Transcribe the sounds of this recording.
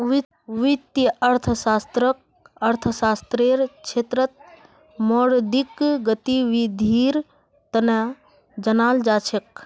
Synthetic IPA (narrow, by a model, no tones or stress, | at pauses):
ʋit̪jəʔəɾt̪ʰəsaːst̪ɾək̚ | əɾt̪ʰəsaːst̪ɾeːɾt͡ʃʰeːt̪ɾət̪̚ | moɽd̪ikɡət̪iʋid̪ʱiːɾ | t̪ɐnə | d͡ʒɐnaːld͡ʒaːt͡ʃʰek̚